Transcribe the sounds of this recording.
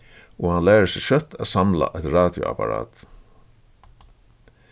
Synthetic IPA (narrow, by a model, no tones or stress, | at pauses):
ɔhanlæːɹəsɪʃœt̪ʰaːsamla̰ʔɛt̪ɹaːt̪jʊ̰a̰paɾa̰ːt̪